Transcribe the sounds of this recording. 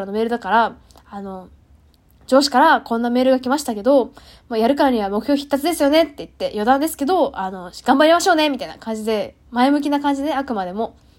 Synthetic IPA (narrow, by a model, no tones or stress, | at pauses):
ɾano̞me̞ːɾɯ̟d̪akaɾa | ano̞ | d͡ʑo̞ːɕi̥kaɾakõ̞nːame̞ːɾɯ̟ɡakʲimaɕi̥t̪ake̞d̪o̞ | moːjaɾɯ̟kaɾaɲ̟iβamokɯ̟çʲoːçʲi̥t̪ːat͡sɨd̪e̞sɨjo̞ne̞t̪ːe̞it̪ːe̞jo̞d̪ãnd̪e̞sɨ̥ke̞d̪o̞ano̞ɡ̥ãmbaɾʲimaɕo̞ːne̞mʲit̪aina̰kãɲ̟d͡ʑid̪e̞ | maemɯ̟k̬ʲinakãɲ̟d͡ʑid̪e̞akɯ̟mad̪e̞mo̞